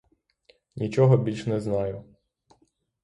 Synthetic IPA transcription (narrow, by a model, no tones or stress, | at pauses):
nʲit͡ʃɔɦɔbʲilʲʃnɛznɑjʊ